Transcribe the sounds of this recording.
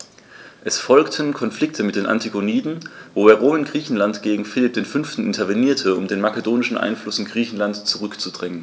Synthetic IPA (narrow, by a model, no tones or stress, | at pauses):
ʔɛsfɔlktʰənkʰɔnflɪk̚tʰəmɪt̚d̥eːnʔa̰ntʰiɡoniːdn̩voːeːɐʁoːmɪnɡʁiːçn̩lantɡ̥eːɡŋ̩fɪlɪp̚d̥eːnfʏnftn̩ʔɪntʰɐveniːɐtʰəʊ̰mdeːnmakədoːnɪʃn̩ʔa̰ɪnflʊsɪnɡʁiːçn̩lantt͡suʁʏkt͡sudʁɛŋən